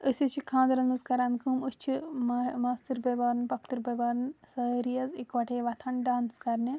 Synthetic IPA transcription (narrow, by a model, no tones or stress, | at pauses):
əsʲɐt͡ʃʰikʰãːnd̪ɾɐnɐzkɐɾaːnkʰumɨst͡ʃʰimmaːst̪iɾbɐbaːɾnpɐk̚ʰt̪ɨɾbɐbaːɾnsɐɾijɐzikʋɐʈʰeːʋɐt̪ʰɐnɖaːnskɐɾni